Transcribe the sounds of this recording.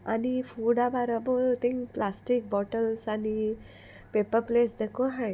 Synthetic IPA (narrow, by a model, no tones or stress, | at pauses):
a̰nifuɽabaɾabot̪ĩŋplasʈik̚bɔʈəlsani | pepəɾplesd̪ekoɦãj